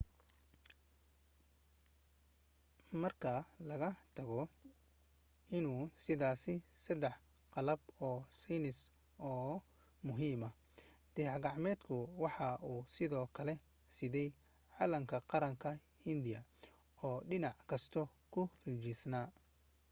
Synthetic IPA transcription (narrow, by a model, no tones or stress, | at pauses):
mɐrkʰɐlɐɣɐt̪ʰɐɣɔ | ɪnuːsɪðaːsɪsɐd̪ɛħ | qɑlɐbɔːsinɪs | ɔː | mʊɦiːmɐ | d̪̥ɛʕɡɑʕmɛːd̪kʰʊwɑħɑʔuːsɪðɔːkʰɐlɛ | sɪðɛj | ʕɑːlɐŋkʰɐqɑɾɐŋkʰɐ | hɪnd̪ɪjɐ | ɔːɖɪnɑʕkʰɐst̪ʰɔkʰʊhid͡ʒisnaː